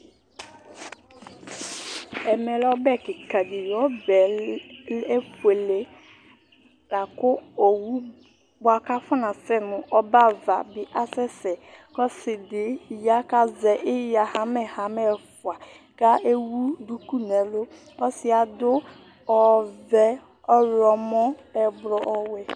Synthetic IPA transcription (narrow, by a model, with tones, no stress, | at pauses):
ɛ˨mɛ˨lɔ˦bɛ˦kɪ˨ka˨dɪ˨jɔ˦bɛ˨ | e˦pʰu˨e˨le˦ | la˨kʊ˦o˨wu˦ | bʊ˨˦a˨ka˦fʊ˦nã˨sɛ˦mʊ̃˨ʔɔ˦ba˦va˨bɪ˨ʔa˦sɛ˦sɛ˨kɔ˦sɪ˨dɪ˨ja˦ka˦zɛ˨ʔɪ˦ja˨ha˨mɛ˨ha˨mɛ˦˨fʊ˨a˨ | ka˦e˦wu˦du˦ku˦nɛ˨lo˦ | kɔ˦sɪ˦a˨dʊ˦ | ɔ˨vɛ˦ | ɔ˦ɾɔ˨mɔ˦ɛ˨bɾɔ˨ʔɔ˦wɛ˦